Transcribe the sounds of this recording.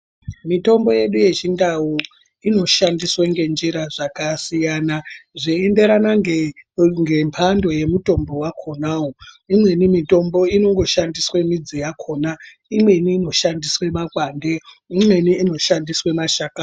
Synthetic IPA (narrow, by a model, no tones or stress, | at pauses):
mito̞mbo̞je̞ɗuje̞t͡ʃindawu | ino̞ʃandisweŋɡe̞nd͡ʒiɾaʐakasijanaʐiende̞ɾana | ŋɡempʰando̞je̞muto̞mbo̞wakʰo̞nawo | imwe̞nimito̞mbo̞ino̞ŋɡo̞ʃandiswe̞mid͡zijakʰoːna | imwe̞niːno̞ʃandiswe̞makwande̞ | imwe̞niːno̞ʃandiswe̞maʃaka